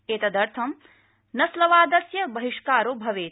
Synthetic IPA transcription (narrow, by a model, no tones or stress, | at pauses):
eːt̪ɐd̪ɐɾt̪ʰɐm | nɐslɐʋaːd̪ɐsjɐbɐɦiʂkaːɾoːbʱɐʋeː